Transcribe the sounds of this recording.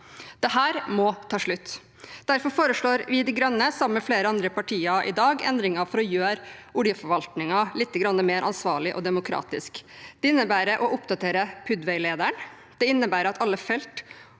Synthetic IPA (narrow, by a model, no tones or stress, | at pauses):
d̪̥ɛɦæːɾmɔt̪ʰɑːʂɭʉt̪ː | d̪̥æɾfɔɾfoːɾəʂɭoːɾʋɪd̪ɪɡɾœnːəsɑməmɛfleːɾəɑnd̪ɾəpɑʈʰiːɑʔɪ̰d̪ɑːɡɛ̰nd̪ɾɪŋɑfɔɾɔjøːɾʊɽjəfɔɾʋɑlt̪nɪŋɑlɪt̪ːəɡɾɑnːəmeːɾʔɑnsʋɑːɭɪʔɔ̰d̪ɛmʊkʰɾɑ̰ːt̪ɪskd̪̥ɛɪnːəbæːɾəʔɔʔʊpd̪ɑt̪ʰeːɾəpʰʉd̪ʋɛɪleːd̪æɳ | d̪̥ɛɪnːəbæːɾɑt̪ɑlːəfɛlt̪